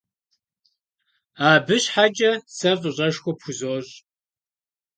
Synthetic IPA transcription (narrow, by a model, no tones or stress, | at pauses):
aːbɨɕħat͡ʃʼɐsɐfʼʊɕʼɐʂxʷɔpxʊzoːɕʼ